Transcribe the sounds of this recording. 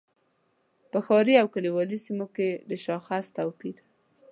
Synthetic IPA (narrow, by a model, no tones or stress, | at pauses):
pəxɑɾiawkaliwɑlisimoked̪əʃɑxast̪awpiɾ